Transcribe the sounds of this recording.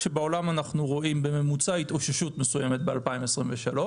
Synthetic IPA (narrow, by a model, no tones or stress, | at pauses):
e̞beo̞lamanaχnuʁo̞ʔimbe̞me̞mut͡sait̪o̞ʃaʃutmesuje̞met̪̚bealpaimesʁimveʃalo̞